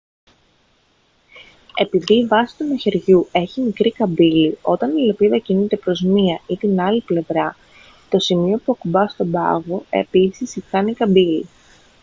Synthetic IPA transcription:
e̞piðiːvɐsi̥t̪unɐçe̞ɾʝue̞çimikɾikɐbilio̞t̪ɐnilo̞piðɐcinit̪e̞pɾo̞zmiɐit̪inɐliple̞vɾɐ | t̪o̞simio̞puɐkubɐst̪o̞bɐ̰ɣo̞e̞pisisixɐnikɐbilḭ

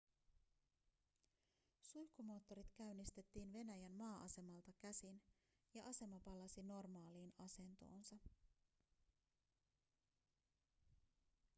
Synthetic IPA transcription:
sujkːumo̞ːt̪ːo̞ɾit̪kæɥnːist̪e̞t̪ːiːnʋe̞næjænmɑːʔɑse̞mɑlt̪ɑkæsin | jɑʔɑse̞mɑpɑlːɑsino̞rmɑːliːnɑse̞nt̪o̞̰ːnsɑ

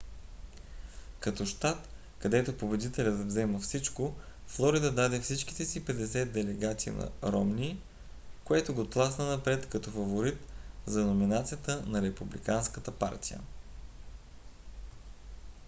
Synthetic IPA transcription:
kɐt̪ɔʃt̪at̪ | kɐd̪ɛt̪opobɛd̪it̪ɛlʲət̪vzɛməfsit͡ʃko | flˠɔɾid̪əd̪ad̪ɛfsit͡ʃk̟i̥t̪ɛsipɛd̪ɛsɛd̪̚d̪ɛlɛɡat̪siḭnɐ̰ɾɔmni | koɛt̪oɡot̪lˠasnənɐpɾɛt̪kɐt̪ɔfɐvoɾit̪zɐnominat̪sijət̪ənɐɾɛpublḭkanskət̪əpa̰ɾt̪ijə̰

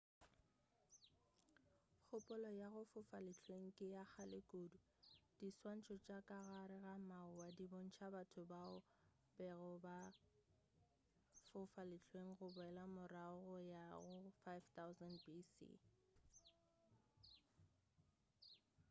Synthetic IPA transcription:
k͡xʰʊpʼʊlɔjaɣʊfʊfalɪt͡ɬʰweŋ̩kʼɪjak͡xʰalɪkʼoːdʊ | d̥iswan̩t͡ʃʰʼɔt͡ʃʼakʼaɣaɾɪɣamaʊwadibon̩t͡ʃʰabatʰʊbaʊ | bɛɣʊba | fʊfalɪt͡ɬʰweŋ̩ɣʊbʊɛlamʊraʊɣʊjaɣʊfajvt̪aʊzɛndbisḭ

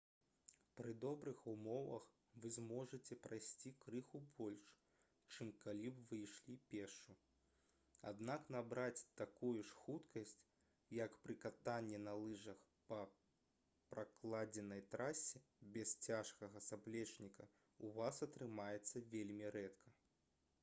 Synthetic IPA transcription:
pɾɨd̪ɔbɾɨxumɔvɐ̰x | vɨzmɔʐɐt͡sʲɛpɾajsʲt͡sʲikɾɨxubɔlʲʂ | t͡ʂɨmkalʲibvɨjʂlʲipʲɛʂu | a̰d̪naknabɾat͡sʲt̪akujuʂxut̪kɐsʲt͡sʲ | jɐkpɾɨkat̪anʲːɛnɐlˠɨʐɐx | pɐ | pɾaklˠad͡zʲɛnɐjt̪ɾasʲɛ | bʲɛst͡sʲaʂkɐɣɐsablʲɛt͡ʂnʲikɐ | uvasɐt̪ɾɨmajɛt̪sːɐvʲelʲmʲiɾɛt̪kʰɐ

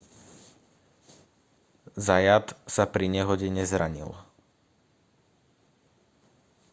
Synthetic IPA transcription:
zajat̪sapɾiɲɛɦɔɟɛɲɛzɾaɲḭl

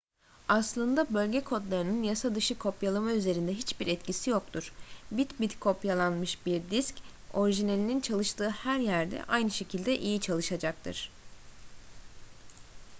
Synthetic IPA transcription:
aslˠɯnd̪abø̞lʲɟɛkʰo̞d̪lˠaɾɯnɯnjasad̪ɯʃɯkʰo̞pjalˠamayze̞ɾind̪ɛɦit͡ʃbiɾɛt̪cisijo̞k̚t̪ʰuɾ̥bit̪bit̪kʰo̞pjalˠanmɯʃbiɾd̪isco̞ɾiʒinelʲinint͡ʃʰalˠɯʃt̪ʰɯːhæɾjæɾd̪ɛ̰ʔajnɯʃe̞cʰilʲd̪ɛʔijit͡ʃʰalˠɯʃad͡ʒak̚t̪ʰɯ̰ɾ̥

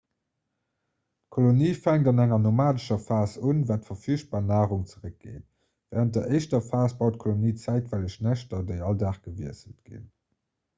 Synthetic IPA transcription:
tkʰoloniːfæŋtɑnæŋɐnomaːdəʃɐfaːsunvaːtfɐfiːʃt̚b̥aːʁnaːʁuŋt͡səʁək̚ɡ̥ḛːt | væːʁənt̚dɐʔəɪʃtɐfaːsb̥ɑʊtkʰoloniːt͡sæɪtvæləʃnæɕtɐdeɪɑldaːχɡ̥əviəsətɡ̥ḭn

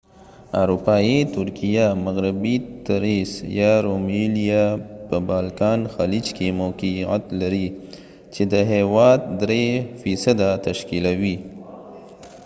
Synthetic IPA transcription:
aɾupɑit̪ʊɾkijamaɣɾɪbit̪aɾesjɑɾomilijapəbɑːlkɑːnxalid͡ʒkemokia̰t̪laɾi | t͡ʃed̪əɦewɑːd̪ːɾefisəd̪at̪ɐʃkilawi

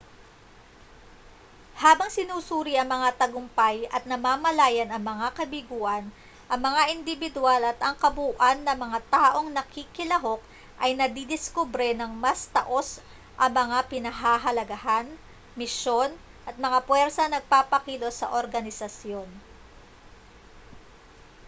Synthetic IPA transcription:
haːbɐŋsɪnuːsuːɾiʔɐŋmɐŋat̪ɐɡʊmpajɐt̪̚nɐmaːmɐlaːjɐnɐŋmɐŋakɐbɪɡuːʔɐn | ʔɐŋmɐŋaʔɪnd̪ɪbɪd̪ʊalɐt̪ɐŋkɐbuːʔɐnːɐmɐŋat̪aːʔo̞ŋnɐkikɪlɐɦo̞k̚ | ʔɐjnɐd̪id̪ɪskubɾɛnɐŋmɐst̪ɐʔo̞s | ʔɐŋmɐŋapɪnɐɦaːɦɐlɐɡɐɦan | mɪʃo̞n | ʔɐt̪̚mɐŋapwɛɾsɐnɐɡ̚paːpɐkilo̞sɐ̰ʔoɾɡɐnɪsɐsjo̞n

